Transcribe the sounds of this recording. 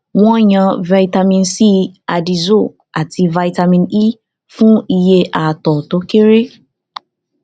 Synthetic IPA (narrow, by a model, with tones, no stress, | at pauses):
w̃ɔ̃˦˨ɲã˧va˧i˧ta˧mĩ˧nsi˦a˧di˧zo˦˨ | a˨tʰi˧va˧i˧ta˧mĩ˧ni˦ | fũ˦i˧je˧ʔa˨tɔ˨to˨˦ke˦ɾe˦